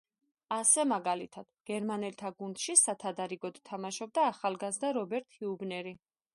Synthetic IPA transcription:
asɛmaɡalit̪ʰad̪̥ɡ̥ɛɾmanɛlt̪ʰaɡund̪̥ʃisat̪ʰad̪aɾiɡɔd̪t̪ʰamaʃɔb̚d̪aːχalˠɡazd̪aɾɔbɛɾt̪ʰhiubnɛɾi

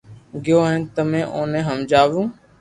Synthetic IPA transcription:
ɡɪjoːɦɛ̃ːt̪əmẽːʔõːnẽːɦəmd͡ʒaːʋũː

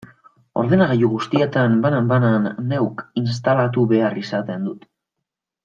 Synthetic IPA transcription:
o̞ɾð̞enaɣejuɣ̞ust̪ie̞t̪ambanambananːe̞wkins̬t̪alat̪uβe̞arisat̪e̞nd̪ut̪

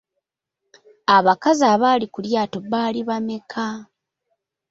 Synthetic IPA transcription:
aβakazaːβalikuljaːto̞βaːliβamekʰa

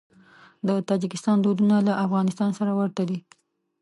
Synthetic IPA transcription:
d̪ət̪ɑd͡ʒɪkɪst̪ɑnd̪od̪unalaʔafɣɑnɪst̪ɑnsaɾawəɾt̪ad̪i

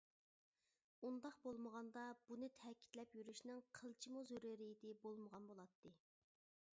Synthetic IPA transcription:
und̪ɑqbolˠməʁɑnd̪ɑb̥unɨt̪ʰɛkʲʰi̥t̪lɛpjyɾyʃnɪŋqʰəlˠt͡ʃʰimuzøɾɪɾɪjd̪ɪbolˠməʁɑnbolˠɑt̪ʰːɨ

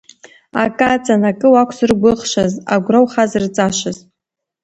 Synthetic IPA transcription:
a̰kʼat͡sʼanakʼɨwakʷʰzɨrɡʷʊχʃazaɡʷrawχazrt͡sʼaʃʷaz̥

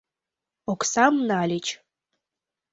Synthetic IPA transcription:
okʷʰsamnaːlʲit͡ʃʰ

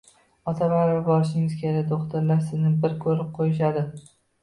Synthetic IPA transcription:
ɒt̪ʰavaɾabɒɾɪʃ̬ɪŋɪzkʲʰelɪd̪oχt̪ʰaɾlasɪznɪbɪɾkʲʰɵɾɪp̚qʰojɪʃ̬ad̪ɪ

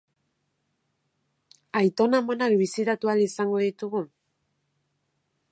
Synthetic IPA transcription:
ajt̪o̞namo̞nak̚βisit̪at̪ualisaŋɡo̞ðit̪uɣu

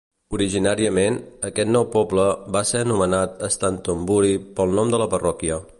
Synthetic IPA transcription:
uɾiʒinaɾiəmenəkɛt̪nɔwpɔbləbaseənumənat̪əst̪ant̪əmbuɾipəlˠnɔmd̪ələpərɔkiə

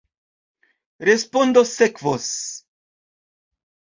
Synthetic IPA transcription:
ɾespond̪osekvos

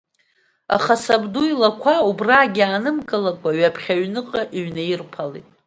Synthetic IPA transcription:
a̰χasabduilakʷʰaubraːɡʲiaːnɨmkʼɨlakʷʼaɥapʰχʲaɥnɨqʼaʔiɥnajirpʰalḭtʼ

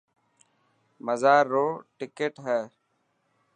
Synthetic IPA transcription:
məzaːɾːoːʈɪkeʈɦɛː

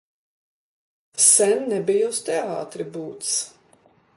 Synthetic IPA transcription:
sɛnːɛbijust̪ɛa̰ːt̪ɾibuːt̪s

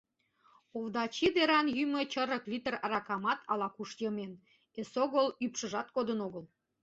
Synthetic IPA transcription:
ovd̪ɑt͡ɕid̪eɾɑnjymət͡ɕə̆ɾə̆klʲit̪ərɑrɑkɑmɑt̪ʰɑlɑkuʃjəmen | esoɣəlypʃə̆ʒɑt̪̚kod̪ənoɣəl

